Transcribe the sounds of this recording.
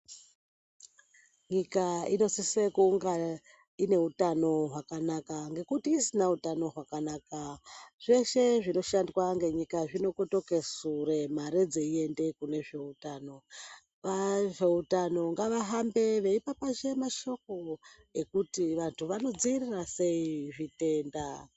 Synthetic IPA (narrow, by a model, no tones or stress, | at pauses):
ɲikaino̞sisekuŋɡa | ine̞utano̞ɦwakanakaŋɡe̞kutiːsinautano̞ɦwakanakaʐe̞ʃe̞ʐino̞ʃandwaŋɡe̞ɲikaʐino̞kuto̞ke̞suremaɾed͡zeie̞nde̞kune̞ʐe̞utaːno̞ | ʋaʐe̞utano̞ŋɡaʋaɦambe̞ʋe̞ipapaʃe̞maʃo̞k̚o̞ | ekutiʋantʰuʋano̞d͡zirirase̞iʐite̞nda